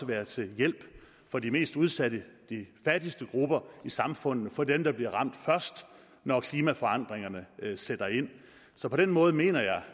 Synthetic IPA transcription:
əʋæːɐt͡sʰe̝jel̰b̥ | fɒ̽dime̝̰ːsd̥uð̞ˠsæd̥əd̥ifæd̥isd̥əɡ̥ʁub̥ɐisɑ̈mfɔ̽n̰ð̩ˠfɒ̽d̥emd̥ɑ̈b̥liɐʁɑ̈m̰d̥fɶɐ̰sd̥ | nɒkʰliːmæfɒ̽ɑ̈n̰d̥ʁeŋɐnəsed̥ɐe̝n̰ | sɒ̽pʰɒ̽d̥enmɔ̽ːð̞̩ˠəme̝̰ːnɐjɑ̈ɪ

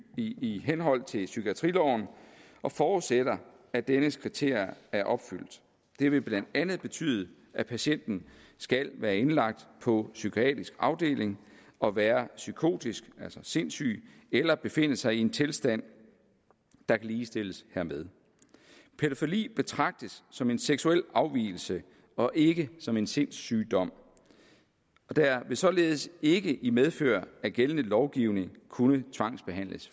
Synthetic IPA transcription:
iɦenɦɒ̽l̰t͡sʰe̝sykʰiæt͡sʰʁilɒʊn̩ | ʔɒ̽fɒːð̩ˠsed̥ɐ | æd̥enəskʰʁit͡sʰe̝ɐ̰jɐæɐʔɒ̽b̥fyl̰d̥ | d̥e̝ʋe̝b̥lænd̥ænð̩ˠb̥e̝t͡sʰy̰ːð̞ˠə | ʔæpʰæɕen̰d̥n̩sɡ̥ælʋæːɐe̝nlɑ̈ɡ̥̚d̥pʰɒ̽sykʰoɛ̰ːd̥ʁisɡ̥ɑ̈ʊd̥e̝̰ːle̝ŋɒ̽ʋæːɐsykʰo̝̰ːd̥isɡ̥ælsɒse̝nsy̰ː | elɐb̥e̝fe̝n̰əsɑ̈ɪie̝nt͡sʰe̝lsd̥æn̰ | d̥ɑ̈kʰæliːsd̥e̝ləshæɐ̰meðˠ | pʰeɾ̥ofolḭːb̥e̝t͡sʰʁɑ̈ɡ̥̚d̥əsːɒ̽me̝nseɡ̥suel̰ɑ̈ʊʋḭːl̩sə | ɒ̽ʔe̝ɡ̥əsɒ̽me̝nse̝n̰sy̰ːd̥ɒ̽m̰ | ɒ̽d̥æʋe̝sɒ̽le̝ːð̞ˠəse̝ɡ̥əʔimeð̞ˠfø̰ːɐæɡ̥elənəlɒʊɡ̥iʊne̝ŋkʰunət͡sʰʋɑ̈ŋ̰sb̥e̝ɦæn̰ləs

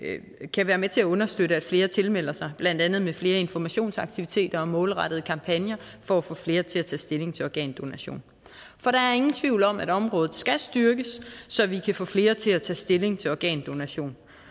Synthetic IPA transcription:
kʰæʋæːɐmet͡sʰe̝æɔ̽nɐsd̥øɾəæd̥fle̝ːɐt͡sʰe̝lmel̰ɐsɑ̈ɪb̥læn̰d̥ænð̩ˠmefle̝ːɐe̝nfɒmæɕo̝̰ːnsɑ̈ɡ̥̚t͡sʰiʋit͡sʰe̝̰ːd̥ɐɒ̽mɔ̽ːlʁɑ̈ɾ̥ð̞̩ˠəkʰɑ̈mpʰænjɐfɒ̽æfɔ̰̽ːfle̝ːɐt͡sʰe̝læt͡sʰɛ̰ːsd̥e̝le̝ŋt͡sʰe̝ɒɡ̥ɛ̰ːnd̥o̝næɕo̝̰ːn | fɒ̽ɾ̥ɑ̈æɐe̝ŋn̩t͡sʰʋiʊ̰lɒ̽mæd̥ɒ̽mʁɔ̽ːð̩ˠsɡ̥æsd̥yɐɡ̥əsːɒ̽ʋikʰæfɔ̰̽ːfle̝ːɐt͡sʰe̝læt͡sʰɛ̰ːsd̥e̝le̝ŋt͡sʰe̝lɒɡ̥ɛ̰ːnd̥o̝næɕo̝̰ːn

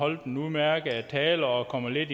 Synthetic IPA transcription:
ɒ̽l̰d̥n̩umæɐɡ̥əæt͡sʰɛːlɐɒkʰɒ̽m̰ɐle̝d̥i

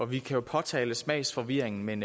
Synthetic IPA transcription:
ɒ̽ʋikʰæjo̝pʰɒ̽t͡sʰɛːləsmɛ̰ɪsfɒ̽ʋiɐ̰e̝ŋn̩meen

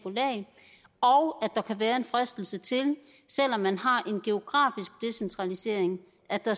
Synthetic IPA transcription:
olɛ̰ː | ɒʊæd̥ɑ̈kʰæʋæːɐe̝nfʁæsd̥l̩sət͡sʰe̝l | sel̰ɒ̽mːænɦɑ̈ʔe̝nɡ̥e̝o̝ɡ̥ʁɑ̰̈ːfisɡ̥̚d̥e̝sent͡sʰʁɑ̈lise̝̰ɐ̰eŋ | ʔæd̥ɑ̈

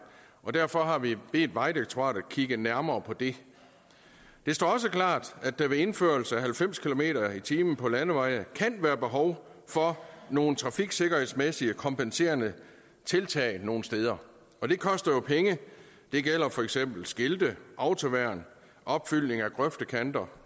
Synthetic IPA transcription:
ʔɒ̽d̥æɐfɒ̽ɦɑ̈ʋib̥e̝̰ːd̥ʋɑ̈ɪdeɡ̥̚t͡sʰoʁɑ̰̈ːd̥ækʰiɡ̥ənæɐmɐːpʰɒ̽d̥e̝ | d̥e̝sd̥ɒ̰ːɒ̽s̬əklɑ̰̈ːd̥æd̥æʋe̝e̝nføɐl̩səæɦælfem̰skʰilo̝me̝̰ːɾɐit͡sʰiːmən̩pʰɒ̽lænəʋɑ̈ɪ̰nəkʰænʋæːɐb̥e̝ɦɒʊ | fɒ̽no̝ːn̩t͡sʰʁɑ̈fiɡ̥se̝ɡ̥ɐhe̝ðˠsmesiəkʰɒ̽mpense̝̰ːɐnə | t͡sʰe̝lt͡sʰɛ̰ːɪno̝ːn̩sd̥eːð̞ˠɐ | ɒ̽d̥e̝kʰɒ̽sd̥ɐjo̝pʰeŋə | d̥e̝ɡ̥el̰ɐfɒ̽eɡ̥sem̰b̥l̩sɡ̥e̝ld̥əʔɑ̈ʊt͡sʰo̝ʋæɐ̰n | ʔɒ̽b̥fyl̰ne̝ŋæɡ̥ʁœfd̥əkʰænd̥ɐ

